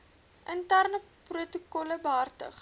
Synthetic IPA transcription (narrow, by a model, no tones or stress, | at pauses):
ʔəntærnəprutukɔləbəɦartə̰χ